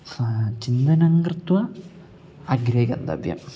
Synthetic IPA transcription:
t͡ɕind̪ɐnɐŋɡrɨt̪wɐ | ɐɡɾɐɦikʲɐ̰nd̪ɐ̰b̪jɐ̰m

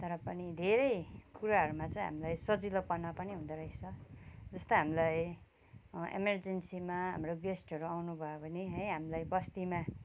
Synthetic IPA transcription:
t̪ʌɾʌpʌnid̪ʱeɾʌjkuɾaɦʌɾumat͡sʌĩɦa̰milajsʌd͡zilopʌnapʌniɦũd̪ʌɾʌjt͡sʰʌd͡zʌst̪oɦamilaj | ḛmerd͡zensimaɦa̰mroɡesʈʌɾuawnubʱʌjobʱʌneɦʌjɦamilajbʌst̪ima

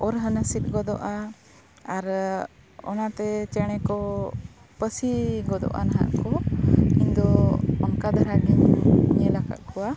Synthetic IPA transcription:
ɔɾɦənəsit̪̚ˀɡɔd̪ɔ̰ʔa | aɾ | ɔnat̪ɛt͡ʃɛɽ̃ɛkɔ | pəsiɡɔd̪ɔ̰ʔa̰naɦa̰ʔkɔind̪ɔɔnkad̪aɾaɡiɲɲɛlaka̰ʔ̪̚kɔwa

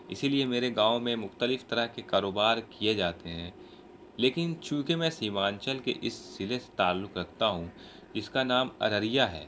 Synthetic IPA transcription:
ɪsiliemeːɾeɡãːomẽmʊxt̪əlɪft̪ɐɾəɦkekaːɾoːbaːɾkied͡ʒaːt̪eɦɛ̃ː | leːkɪnt͡ʃũːkemɛ̃ːsiːmaːnt͡ʃəlkḛʔɪsːɪlese̥t̪aːlːʊkɾɐkʰt̪aɦũ | d͡ʒɪskanaːmɐ̰ɾəɾijaɦɛ̰ː

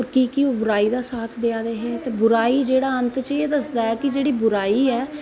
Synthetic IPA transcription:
ɾkiːkioːbʊɾaːiːd̪aːsaːt̪ʰd̪ɪjaːd̪eːɦet̪eːbʊɾaːiːd͡ʒeːɽaːənt̪t͡ʃeːd̪əsd̪aːɦɛːkɪd͡ʒeːɽiːbʊɾaːiːɛː

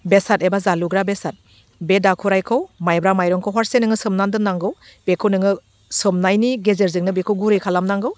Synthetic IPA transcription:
besatebazaluɡɾabesat̚ | bedakʰuɾajkʰɯwmajbɾamajɾɔŋkʰowɦɔɾsenɯŋɯsɯmnandɯnaŋɡɯw | b̥ekʰɯnɯŋɯ | sɯmnajniɡezeɾzɯŋnɯbekʰɯwɡuɾɯkʰalamnaŋɡɯw

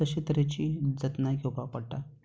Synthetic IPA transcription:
əɕet̪əɾet͡ɕiːd͡zət̪naɡowpapəɽʈa

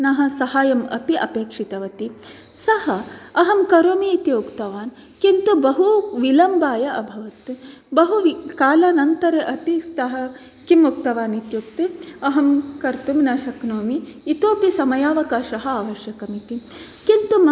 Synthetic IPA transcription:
nɐɦɐsɐhaːjɐmɐ̰piʔɐ̰peːkʂit̪ɐʋɐt̪i | sɐhɐɐɦɐmkɐɾoːmiːt̪iukt̪ɐʋaːn | kint̪ubɐɦuʋilɐmbaːjɐʔɐbʱɐʋɐt̪bɐɦuʋikaːlɐnɐnt̪ɐɾɐʔɐp̪isɐɦɐ | kimuk̚t̪ɐʋaːnit̪jukt̪iɐɦɐmkɐɾt̪umnɐʃɐknoːmiːt̪oːpisɐmɐjaːʋɐkaːʃɐɦɐaːʋɐʃjɐkɐmit̪i | kint̪um

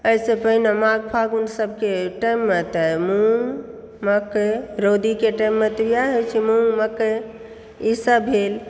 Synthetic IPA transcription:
əjsẽpəɦnemaɡpʰaɡunsəb̚keʈajmːet̪əmũ | məkeɾod̪ikeʈajmːet̪ɾijaɦet͡ʃʰimũməke | isəbʱɦel

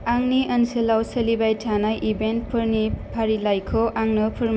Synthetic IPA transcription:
aŋniʔɐnsɯlawsɐlibajtʰanajʔibent̚pʰɯɾnipʰaɾilajkʰɔʔaŋnɯpʰɯɾm

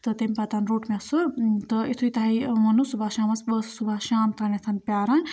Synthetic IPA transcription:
t̪ɨt̪emʲpɐt̪anɾoːʈmʲesuɾt̪ɨit̪ʰuit̪aɦimɐnusubʱaʃaːmɐsbəssubʱaʃaːmt̪ʰanet̪ʰɐnpʲjaːɾɐn

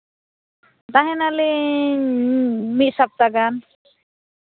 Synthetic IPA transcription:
t̪aɦɛ̃nali | mit̪̚sap̚t̪aɡan

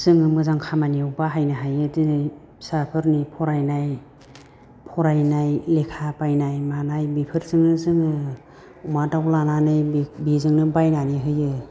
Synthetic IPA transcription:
z̥ɯŋɯmɯzaŋkʰamaniwbaɦajnaɦajɯdinɯ | sapʰɯɾnipʰɔɾajnaj | pʰɔɾajnajlekʰapajnajmanajbipʰɯɾzɯŋɯzɯŋɯ | umadawlananɯjbbizɯŋnɯbajnaniɦɯjɯ

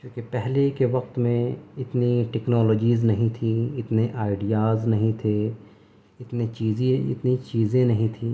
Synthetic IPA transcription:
kjõːkepɛɦlekeʋɐq̚t̪mẽɪt̪niʈɛknɔːloːd͡ʒiːznɐɦĩt̪ʰiɪt̪neʔaːɪɖijaːznɐɦĩt̪ʰe | ɪt̪net͡ʃiːzẽɪ̰t̪nit͡ʃiːzẽnɐɦĩt̪ʰĩː

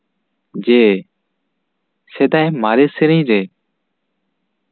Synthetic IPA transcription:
d͡ʒeː | seːd̪aːɦẽːmaːɾeːsɪɾĩːɾeː

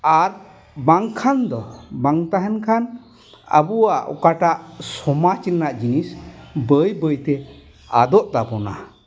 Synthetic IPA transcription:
aɾ | baŋkʰand̪ɔbaŋt̪aɦɛnkʰan | a̰buwaʔɔ̰kaʈaʔsɔmat͡ʃiɾnaʔd͡ʒinisbəjbəjt̪ɛ | a̰d̪ɔʔd̪abɔna̰

